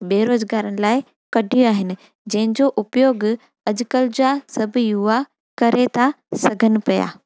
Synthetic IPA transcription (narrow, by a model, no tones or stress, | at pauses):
beːɾoːzɡaːɾənɪ̆laːɪ | kɐɖʱijaːɦɪnɪ̆ | d͡ʑɐ̃ɦɪ̃ɲd͡ʑoʔʊpjoːɡ | ɐd͡ʑkəld͡ʑasɐbʱʊjʊʋa | kɐɾet̪ʰa | sɐɡʱənɪ̆pɐja̰ː